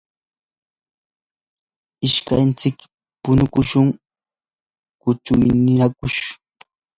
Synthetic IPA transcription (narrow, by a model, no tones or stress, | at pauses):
ɪʃkant͡sɪk | pʊnʊkʊʃʊŋ | kʊt͡sʊjnɪnakʊʃ